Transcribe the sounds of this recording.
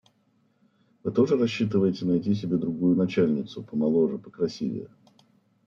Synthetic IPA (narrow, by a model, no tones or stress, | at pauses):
vɨt̪o̞ʐɨɾɐɕːit̪̬ɨvəjɪtʲɪnɐjtʲisʲɪbʲe̞d̪ɾʊɡujʊnɐt͡ɕælʲnʲɪt̪sʊpəmɐlˠoʐɨpə̥kɾɐsʲḭvʲɪ̰